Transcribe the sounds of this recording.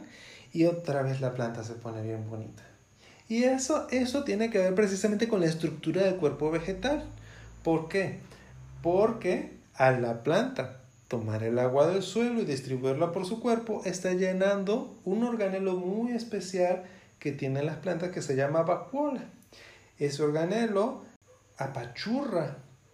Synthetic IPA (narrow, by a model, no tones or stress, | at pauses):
iot̪ɾaβes̬laplant̪as̬eponeβjembonḭt̪ḁ | iesoesot̪jenekeβeɾpɾes̬isamẽnt̪ekonlaes̬t̪ɾuk̚t̪uɾaðelkweɾpoβexet̪alpoɾke | poɾke | alaplant̪a | t̪oma̰ɾḛlaɣwaðelswe̞loiðist̪ɾiβuiɾlapoɾsukweɾpoʔest̪aʝenand̪ounoɾɣanelomujespesjalket̪je̞nenlasplant̪askeseʝamaβakwola | eseoɾɣanelo | apat͡ʃura